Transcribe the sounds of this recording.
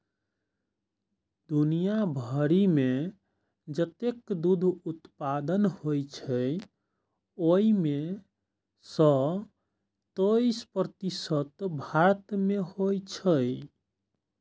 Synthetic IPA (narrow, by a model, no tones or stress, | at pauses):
d̪unijabʱəɾime | d͡ʒət̪ekd̪ud̪ʱut̪pad̪ənhojt͡ʃʰə | oime | sə | t̪əispɾət̪isət̪bʱaɾt̪mehojt͡ʃʰəj